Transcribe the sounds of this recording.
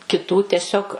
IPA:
kʲɪˈtuː tʲɛˈsʲoːk

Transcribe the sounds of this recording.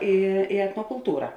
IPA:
ˈɪ ɪ ɛtnoːkʊlˠˈtuːrɐ

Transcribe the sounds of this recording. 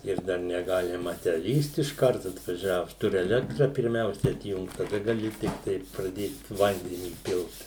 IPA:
ɪr ˈdɐr nʲɛˈɡɑːlʲɪmɐ tʲæː ˈlʲiːst ɪʃˈkɐrt ɐtʋɐˈʒʲæːʋʊs ˈtʊrʲɪ ɛˈlʲæːktrɐ pʲɪrʲˈmʲɛʊsʲɛ ɐtʲˈjʊŋkt tɐˈdɐ ɡɐˈlʲɪ tʲɪkˈtɐɪ prɐˈdʲeːt ˈʋɐnʲdʲɛnʲiː ˈpʲɪlˠt

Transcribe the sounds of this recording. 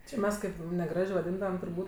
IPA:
t͡ʃʲɪ ˈmʲɛs kɐɪp nʲɛˈɡrɑːʒʲeː ʋɐˈdʲiːndɐʋɐm tʊrˈbuːtʲ

